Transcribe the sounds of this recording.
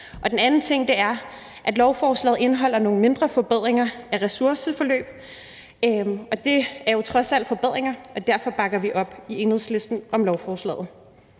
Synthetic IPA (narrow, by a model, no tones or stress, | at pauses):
ʔɒ̽d̥enænn̩t͡sʰe̝ŋ̰d̥e̝æɐ | ʔæd̥lɒʊfɒːslɛ̰ːð̩ˠe̝nəɦɒ̽l̰ɐno̝ːŋ̩me̝nd̥ʁɐfɒ̽b̥eð̞̰ˠʁeŋɐæʁɛsuɐsəfɒ̽lø̰ːb̥ | ɒ̽d̥e̝æɐjo̝t͡sʰʁɒ̽sæl̰̥fɒ̽b̥eð̞̰ˠʁeŋɐɒ̽d̥æɐfɒ̽b̥ɑ̈ɡ̥ɐʋiʔɒ̽b̥ie̝nheðˠsle̝sd̥n̩ɒ̽mlɒʊfɒːslɛ̰ːð̩ˠ